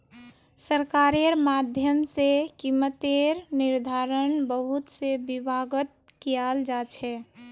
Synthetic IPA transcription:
səɾkaɾeɾmad̪ʱjəmsekimət̪eɾniɾd̪ʱaɾənbəɦut̪sebibʱaɡət̪̚ | kijald͡ʒat͡ʃʰɛ

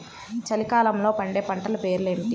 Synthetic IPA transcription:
t͡ʃɐlikaːlɐmlo̞ːpɐɳɖeːpɐɳʈɐlɐpe̞ːɾulemiʈi

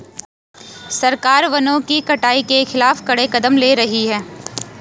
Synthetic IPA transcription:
sɐɾkaːɾʋɐnõkikɐʈaːikexɪlaːfkɐɽekɐd̪əmleːɾɐɦiɦɛː

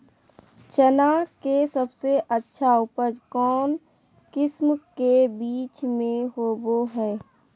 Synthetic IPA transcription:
t͡ʃənaːkkesəbseʔətːʃʰaʊpəd͡ʒkɔːn | kɪsmkebiːt͡ʃmẽɦoːboɦɛː

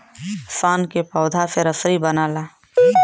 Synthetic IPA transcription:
saːnkepɔːd̪ʱaseɾəsɾibənaːlaː

